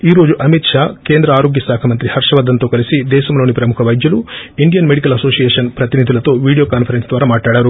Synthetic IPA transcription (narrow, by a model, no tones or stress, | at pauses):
iːɾo̞ːd͡ʒuʔɐmit̪ʂaːkeːnd̪ɾɐaːɾo̞ːɡjɐsaːkʰɐmɐnt̪ɾihɐɾʂɐʋɐːd̪ːɐnt̪oːkɐlisid̪ɛːʃɐmlo̞ːnipɾɐmukʰɐʋɐjd̪jɐluiɳɖijɐnmeɽikɐlɐso̞ːsijeːʂɐnpɾɐt̪inid̪ʱilɐt̪o̞ːʋiːɽijokaːnpʰɐɾensd̪ʋaːɾɐmaːʈaːɽɐɾu